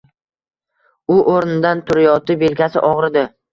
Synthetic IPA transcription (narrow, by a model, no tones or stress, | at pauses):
ʊʔoɾnɪd̪ant̪ʰʊɾɪjɒt̪ɪbe̞lkʲasɪʔɒʁɾɪd̪ɪ